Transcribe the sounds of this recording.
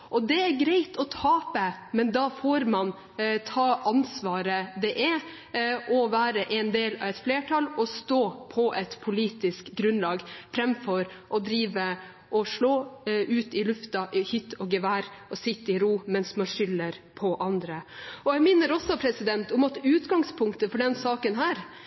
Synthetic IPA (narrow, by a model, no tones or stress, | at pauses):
ʔɔd̪ɛæɾɡɾæɪt̪ɔt̪ʰɑːpəmɛnd̪ɑfoːɾmɑn | t̪ʰɑːʔɑnsʋɑːɾəd̪ɛʔɛ | ʔɔʋæːɾəʔɛnd̪eːlɑ̰ʋɛt̪fleːʈʰɑlɔst̪oːpʰɔʔɛt̪pʰʊliːt̪ɪskɡɾʉnlɑːɡfɾɛmfɔɾʔɔd̪ɾiːʋə | ʔɔʂɭoːʔʉːt̪ɪlʉft̪ɑʔhʏt̪ːɔɡɛʋæːɾɔsɪt̪ːəɪɾuːmɛnsmɑnʂʏlːəɾpʰɔʔɑnd̪ɾəɔjæɡmɪnːəɾɔsːɔpʰɾɛsɪd̪ɛnt̪ʊmɑt̪ʉːt̪ɡɑŋspʰʊŋkt̪əfɔɖɛnsɑːkənɦæːɾ